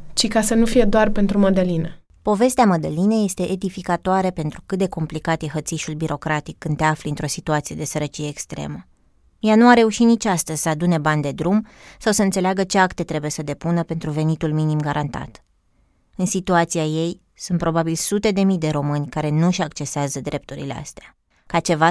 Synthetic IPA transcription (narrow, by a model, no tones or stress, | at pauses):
t͡ʃikasənufije̞d̪oarpe̞nt̪ɾuməd̪əlinə | po̞ve̞st̪eaməd̪əline̞je̞st̪e̞ʔed̪ifikat̪oaɾepe̞nt̪ɾukɨt̪̚d̪e̞ko̞mplikat̪jeɦət̪siʃulbiɾo̞kɾat̪ikːɨnt̪eafliɨnt̪ɾo̞sit̪uat̪sije̞d̪e̞səɾət͡ʃije̞ːkst̪ɾe̞̰mə | januaɾe̞uʃinit͡ʃʲast̪əzʲsəad̪une̞banʲd̪e̞d̪ɾumsawsəɨnt̪se̞leaɡət͡ʃe̞akt̪e̞t̪ɾe̞buje̞səd̪e̞punəpe̞nt̪ɾuve̞nit̪ulminimɡaɾʔant̪a̰t̪ | ɨnsit̪uat̪siaje̞j | sunt̪pɾo̞babilsut̪e̞d̪e̞mid̪e̞ɾo̞mɨnʲkaɾe̞nuʃakt͡ʃe̞seazəd̪ɾe̞p̚t̪uɾḭlḛa̰st̪ea | kat͡ʃe̞va